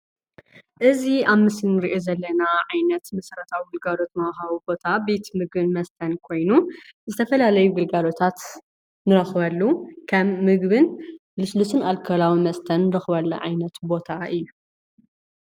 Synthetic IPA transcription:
ʔɨziaβmɨsɨnːɨɾiʔozɐlːɐnaʕajnɐt̪mɐsɾɐt̪ʰawiɡɨlɡalo̞t̪mɐxawibo̞t̪ʰabe̞t̪mɨɡbɨnmɐst̪ʰɐnkʰo̞jnuzɨt̪ʰɐfɐlalɐjuɡɨlɡalo̞t̪ʰat̪ | nɨɾɐxβɐlːukʰɐmːɨɡbɨnlɨslusɨnalkʰɐlawimɐst̪ʰɐnːɨɾɐxβɐlːɐ̰ʕajnɐt̪bo̞t̪ʰaʔɨjːu

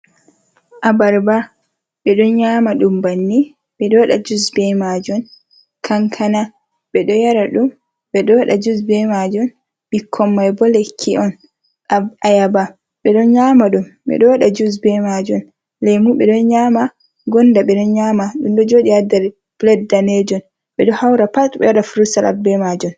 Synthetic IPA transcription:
ʔabaɾba | ɓɛɗɔnɲaːmaɗumbanːi | ɓɛɗɔɗad͡ʒusbɛmad͡ʒɔn | kʰaŋkʰana | ɓɛɗɔjaɾaɗum | ɓɛɗɔɗad͡ʒusbɛmad͡ʒɔn | bikʰːɔmːajbɔlekʰːiɔn | ajaba | ɓɛɗɔnɲamaɗumɓɛ̰ɗɔɗad͡ʒus̬bɛmad͡ʒɔn | lɛjmuɓɛɗɔnɲaːma | ɡɔndaɓɛɗɔnɲamaɗumɗɔd͡ʒoːɗiadaɾ | b̥lɛddaned͡ʒɔn | ɓɛɗɔhawɾapatɓɛ̰jaɗafuɾusala̰bɛmad͡ʒɔn

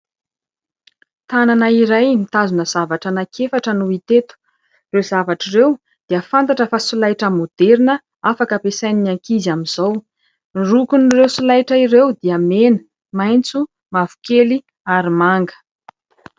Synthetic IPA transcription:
t̪ananaiɾajmit̪azunəz̥avaʈ͡ʂənakʰefaʈ͡ʂənuit̪et̪u̥ | rewzavaʈ͡ʂirew | d̪̥iəfant̪aʈ͡ʂəfasulajʈ͡ʂəmod̪̥eɾinə | afakəpesajninaŋkizamiz̥aw | irukunrewsulajʈ͡ʂəirewd̪iamenə̥ | majnt͡su | mavu̥keli | aɾimaŋɡə̥

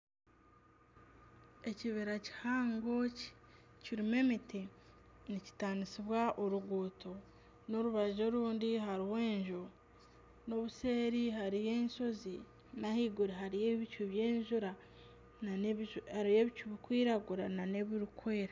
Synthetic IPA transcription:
e̞ciβeɾaci̥haːŋɡo̞ci̥ciɾime̞mitʰenici̥taːndisiβwaʔoɾuɡuːtʰo̞ | no̞ɾuβaʒo̞ɾuːndiɦaɾiwe̞ːɲʒo | no̞βuseːɾiɦaɾije̞ːnso̞zi | nahiɡuɾiɦaɾijeβicuβje̞ːɲʒuɾa | nahaɾijeβicuβikwiːɾaɡuɾanane̞βiɾukʰweeɾa

